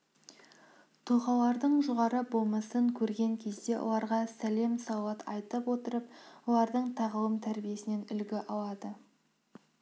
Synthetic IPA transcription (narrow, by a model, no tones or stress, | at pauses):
t̪ʰuχɑlˠɑɾd̪əɴʒʊʁɑɾəbo̞lˠmɑsəɴkʲʰɵɾɡʲe̞ŋkʲʰe̞zd̪e̞wo̰lˠɑɾʁɑsæle̞msɑwɑt̪ʰɑ̰jt̪əpwo̞t̪əɾəp̚wo̞lˠɑɾd̪əɴt̪ʰɑʁəw̪ˠəmt̪ʰæɾbije̞sɪne̞nʏlɡʲɪʔɑlˠɑd̪ə